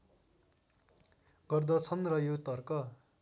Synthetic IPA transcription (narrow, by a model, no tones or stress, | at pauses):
ɡʌrd̪ʌt͡sʰʌnrʌjot̪ʌrkʌ